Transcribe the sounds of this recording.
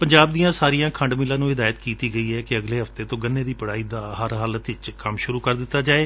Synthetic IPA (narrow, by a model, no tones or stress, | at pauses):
pəɲd͡ʒaːb̚d̪iːãːsaːɾijãːkʰəɳɖmiːlãːnũːɦɪd̪aːjət̪kiːt̪iːɡəiːɛːkɪəɡleːɦəft̪eːt̪õːɡənːeːd̪iːpəɽaːiːd̪aːɦəɾɦaːlət̪ɪt͡ʃkəmʃʊɾuːkəɾd̪ɪt̪ːaːd͡ʒaːeː